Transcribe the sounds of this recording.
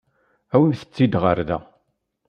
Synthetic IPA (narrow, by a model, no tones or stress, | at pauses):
æwinθə̥t͡sːid̪ʁəɾðæ̰